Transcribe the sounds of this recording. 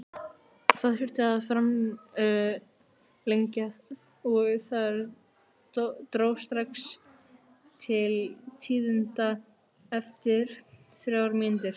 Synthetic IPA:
θaðfɪɾ̥t̪ɪaðfɾam | leɲca | ɔɣθaðɛɾ | t̪ɾoːwst̪ɾaks | t̪ʰɪlt̪ʰiːðɪnt̪a | ɛft̪ɪɾ̥ | θɾjawɾmɪnt̪ɪɾ̥

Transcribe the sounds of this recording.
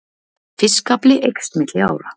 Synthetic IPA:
fɪskaplɪʔejkst̪mɪt̪lɪa̰ːwɾa

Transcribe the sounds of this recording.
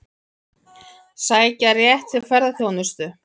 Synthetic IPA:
saːjcarjɛht̪ʰɪlfvɛɾðaθjoːwnʏst̪ʏ

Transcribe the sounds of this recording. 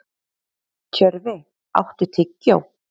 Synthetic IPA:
cʰœɾvɪ | a̰wht̪ɪt̪ʰɪcːaw

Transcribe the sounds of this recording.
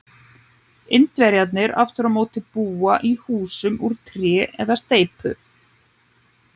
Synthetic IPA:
ɪnt̪vɛɾjat̪nɪɾa̰ft̪ʏɾamoːwt̪ɪpuːaʔihuːsʏmuɾ̥t̪ʰɾjɛːʔɛ̰ðast̪eːjpʏ̰

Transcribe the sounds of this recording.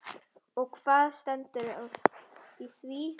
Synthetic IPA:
ɔɣkʰv̥aːðst̪ɛnt̪ʏɾaðiθvi

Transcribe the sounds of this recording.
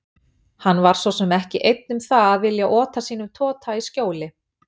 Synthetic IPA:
hanːvaɾ̥svɔsɛmɛhcɪʔejt̪̚nʏmθaaðvɪljaʔɔːt̪asiːnʏmt̪ʰɔːt̪ʰaiscoːwlɪ

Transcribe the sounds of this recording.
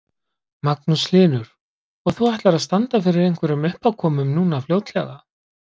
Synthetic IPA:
maknuslɪːnʏɾ̥ | ɔɣθuajht̪laɾaðst̪ant̪afɪɾɪɾejŋ̥kʰvɛɾʏmʏhpawkʰɔːmʏmnuːnafljowt̪lɛ̰ɣa

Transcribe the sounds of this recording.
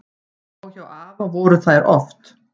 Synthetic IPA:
awçawaːvavɔɾəθajɾʔɔ̰ft̪

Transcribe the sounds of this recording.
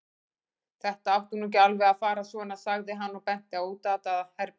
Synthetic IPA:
θɛht̪aawht̪unuc̬alvɛaðfaːɾasvɔnːasaɣðɪɦanːɔɣpɛn̥t̪ɪauːt̪aːt̪aðhɛɾ

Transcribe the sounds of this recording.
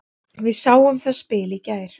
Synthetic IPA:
vɪðsaːwʏmθaspɪːlicaːjɾ̥

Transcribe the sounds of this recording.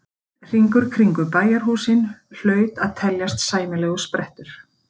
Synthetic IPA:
r̥iŋkʏɾ̥kʰɾiŋkʏpaːjaɾ̥ɦuːsɪnl̥œːɥt̪aðt̪ʰɛljast̪saːjmɪlɛːɣʏspɾɛht̪ʏɾ̥

